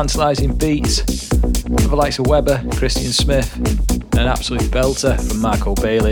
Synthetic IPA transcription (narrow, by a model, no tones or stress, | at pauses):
ãntəlaɪzɪ̃ŋbiˑts | pʰɛvəlaɪk̚təwɛbəkʰɹ̥ɪstə̃nsmɪθə̃nə̃ña̰b̥səlʉˑtb̥ɛlˠtʰəfɹə̃mːaɪkʰoʊbeɪlɪ